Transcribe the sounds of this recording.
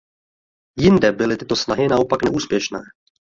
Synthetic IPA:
jɪndɛbɪlɪt̪ɪt̪o̞snaɦɪnaʔo̞paknɛʔuːspjɛʃnɛː

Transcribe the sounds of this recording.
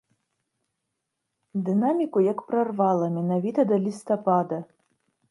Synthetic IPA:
d̪ɨnamʲikujakpɾarvalˠɐmʲɛnavʲit̪ɐd̪ɐlʲist̪ɐpad̪ɐ

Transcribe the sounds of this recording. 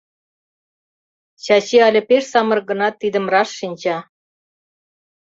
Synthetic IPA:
ɕɑt͡ɕeɑlʲə̆peʃsɑmɤ̆rɣə̆nɑt̪ːid̪ə̆mrɑʃːinʲt͡ɕɑ

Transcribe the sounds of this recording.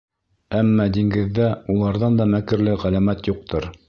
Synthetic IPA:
æmːɑd̪iŋɡɘ̆ðːæulˠɑɾðɑnd̪ɑmækɘ̆ɾlɘʁælæmæt̪juq̚t̪ɤɾ

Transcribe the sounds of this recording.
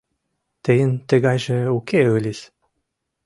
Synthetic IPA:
t̪ə̆jə̆nt̪ə̆ɣɑjʒĕukeɤlʲes

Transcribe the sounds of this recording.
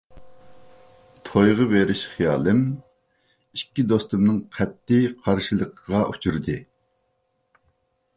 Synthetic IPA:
t̪ʰojʁəveɾɪʃχijɑːlˠɨm | ikʲːid̪ost̪umnɨŋqʰɛt̪ːɪqʰɑɾʃilˠəqʰəʁɑʔut͡ʃʰuɾd̪ɨ

